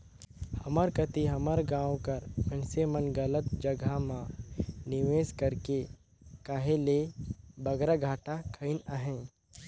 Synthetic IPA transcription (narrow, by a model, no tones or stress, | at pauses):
hɐməɾkət̪iɦɐməɾɡãːwkɐɾmə̃nsemənɡələt̪d͡ʒɐɡʱamãnɪʋeːskɐɾke | kaɦẽlebɐɡɾaɡʱaːʈakʰəɪnəɦɛ̃ː